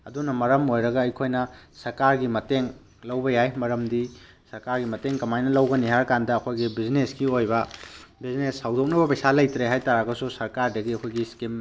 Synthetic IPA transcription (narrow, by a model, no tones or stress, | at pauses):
ɐdunɐmɐɾɐmojɾɐɡɐːjkʰojnɐsɐɾkaɾɡimɐteŋ | lɐwbɐjajmɐɾɐmdi | sɐɾkaɾɡimɐteŋkɐmajnɐlɐwɡɐniɦaɾkandɐːkʰojɡibiznesɡiojbɐbiznesːawdok̚nɐbɐpɐjsalɐjtɾeɦajtaɾaɡɐsusɐɾkaɾdɐɡiɐkʰojɡiskim